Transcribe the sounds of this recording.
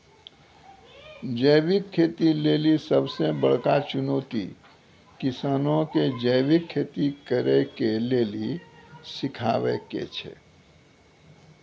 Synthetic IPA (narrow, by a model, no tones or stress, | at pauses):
d͡ʒəːʋɪkʰːeːt̪ileːlisəbsebəɽ̤kat͡ʃʊnoːt̪ḭ | kɪsaːnõked͡ʒəɪwɪkʰːeːt̪ikəɾekeleːlisɪkʰa̰ːʋḛkḛt͡ʃʰḛ